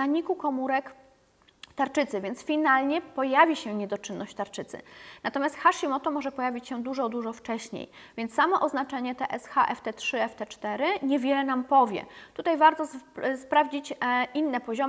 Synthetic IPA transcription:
aɲikukɔmuɾɛk | t̪aɾt͡ʂɘt̪sɘvʲjɛnt̪sfʲinalɲɛpɔjavʲiɕɛɲɛd̪ɔt͡ʂɘnːɔɕt͡ɕt̪aɾt͡ʂɘt̪sɘ̰nat̪ɔmʲjast̪xaʂimɔt̪ɔmɔʐɛpɔjavʲit͡ɕɕɛd̪uʐɔd̪uʐɔft͡ʂɛɕɲḛj | vʲjɛntssːamɔʔɔznat͡ʂɛɲɛt̪ɛʔɛsxaʔɛft̪ɛtʂɘɛft̪ɛt͡ʂt̪ɛɾɘɲɛvʲjɛlɛnampɔvʲjɛ̰t̪ut̪ajvaɾt̪ɔspɾavd͡ʑit͡ɕʔinːɛpɔʑɔm

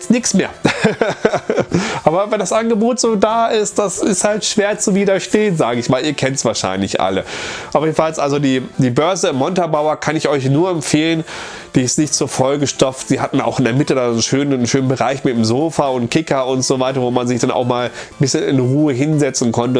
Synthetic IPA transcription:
t͡stnɪksmeːɐ | ʔaːbɐvɛndasʔanɡəboːtz̥oːdaːʔɪstd̥asɪsthaltʃv̥eːɐt͡suviːdɐʃteːənzaːɡəɪçmaːliːɐkʰɛntsv̥aːɐʃa̰ɪnlɪçʔa̰ləʔajeːdn̩falsʔalzodiːd̥iːbœɐzəɪmːɔntabaʊɐkʰanɪçɔʏçnuːɐɛmfeːlən | d̥iːɪstnɪçtz̥oːɐfɔlɡəʃtɔp͡ftz̥iːhatn̩a̰ʊxɪndeːɐmɪtədannʃøːnəʃøːnənbəʁaɪçmɪtdemzoːfɐʊntkʰɪkɐʊntz̥oːvaɪtɐvoːmanzɪçd̥anʔa̰ʊxmaːln̩bɪsçənɪ̰nʁuːəɦɪnzɛt͡sn̩kʰɔntə

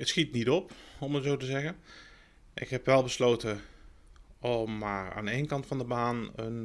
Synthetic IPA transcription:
ətsxitnitɔpɔmətzowtəzɛɣən | ʔɪ̰kɦɛpʋɛlˠbəsloːtə | ɔmːaːɹa̰ːneːnkɑntfɑndəbaːnən

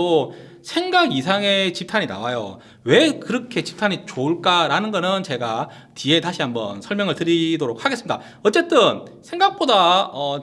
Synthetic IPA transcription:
o | sʰe̞ŋɡaɡisʰaŋe̞t͡ɕip̚tʰaɲina̰wajo̰ | we̞kɯɾʌkʰe̞t͡ɕi̥p̚tʰaɲit͡ɕoɯɭk͈aɾanɯnɡʌnɯnt͡ɕe̞ɡa | tie̞taɕʰiɦambʌ̰nsʰʌɭmjʌŋɯɭtɯɾidoɾok̚haɡes͈ɯmida̰ | ʌt͡ɕ͈e̞t͈ɯnsʰeŋɡak̚p͈odaʌ

